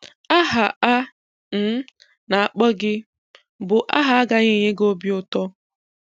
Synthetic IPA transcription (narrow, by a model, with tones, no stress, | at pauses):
a˦ɦa˨a˦ | m̩˦ | na˨a˨k͡pɔ˦ɡɪ˦ | bʊ˨ʔa̰˦ɦa˦a˦ɡa˦ɲɪ˦˨ɲɪ˦ɡo˦bjʊ˦tɔ˦